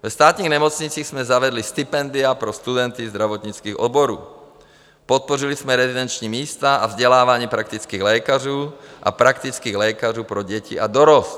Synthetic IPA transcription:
vst̪aːt̪ɲiːɣɲɛmɔt͡sɲit͡siːɣzmɛzaʋɛd̪list̪ipɛnd̪iapɾɔst̪ud̪ɛnt̪izd̪ɾaʋɔt̪ɲit͡skiːɣɔ̰d̪̚bɔɾṵː | pɔt̪̚pɔɾilismɛɾɛzid̪ɛnt͡ʃɲiːmiːst̪aavzɟɛlaːʋaɲiːpɾak̚t̪it͡skiːɣlɛːkaruːʔa̰pɾakt̪it͡skiːɣlɛːkaɾuːpɾɔɟɛcḭad̪ɔɾɔst̪

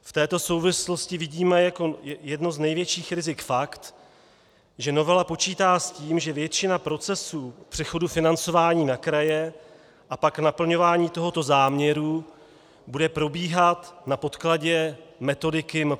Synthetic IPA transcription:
ft̪ɛːt̪o̞so̞wvɪslo̞scɪvɪɟiːmɛjako̞jɛdnoznɛjvjɛt͡ʃiːxɾɪzɪkfakt̪ | ʒɛno̞vɛlapo̞t͡ʃiːt̪aːsciːmʒɛvjɛt͡ʃɪnapɾo̞t͡sɛsuːpr̥ɛxo̞dufɪnant͡so̞vaːɲiːnakɾajɛ | ʔapaknapl̩ɲo̞vaːɲiːt̪o̞ɦo̞t̪o̞zaːmɲɛɾu | budɛpɾo̞biːɦat̪napo̞t̪klaɟɛmɛt̪o̞dɪkɪm

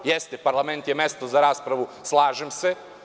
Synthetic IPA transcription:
jest̪epaɾlˠament̪jemest̪ozaɾaːspɾaʋuslˠaːʒemse

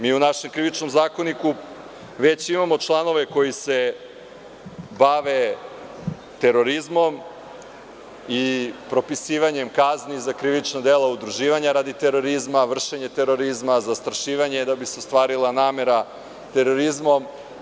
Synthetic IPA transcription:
miːunaʃe̞mkɾiʋit͡ʃnomzaːko̞niku | ʋe̞t͡ɕimamo̞t͡ʃlˠano̞ʋe̞ko̞jise̞ | baʋe̞ | t̪e̞ɾo̞ɾizmo̞m | ipɾo̞pisiːʋaɲe̞mkaznizakɾiʋit͡ʃnad̪elˠaud̪ɾuʒiːʋaɲaɾaːd̪it̪eɾo̞ɾizmaʋr̩ʃeɲe̞t̪e̞ɾo̞ɾizmazast̪ɾaʃiːʋaɲed̪abiseost̪ʋaːɾilˠanaːme̞ɾa | t̪e̞ɾo̞ɾizmo̞m

